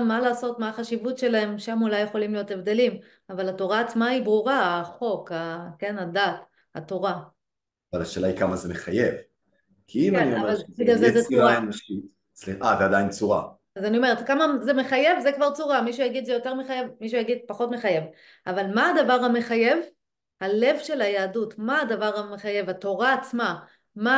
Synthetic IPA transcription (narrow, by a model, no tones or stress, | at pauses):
mːalaːso̞t̪maːχaʃivutʃe̞lae̞mʃamulajːe̞χo̞limlijo̞t̪evd̪e̞lim | avalato̞ʁaːt͡smaibʁuʁaaχo̞kake̞nadat | a̰to̞ʁa | avalaʃe̞ːlaikamazemeχajev | kʰiimania̰valid̪azezet͡suainmaʃkt | t͡sliavead̪aint͡suʁa̰ | azanio̞me̞ʁet̪kamazemeχaje̞vzekvaʁt͡suʁamiʃujaɡid̪zejo̞t̪eʁmeχajevmiʃ̬ujaɡid̪̚paχo̞tmeχaje̞v | ʔavalmaad̪avaʁhame̞χaje̞v | hale̞vʃe̞lajaːdutmaːdavaʁhameχaje̞vhat̪o̞ʁaːt͡sma | ma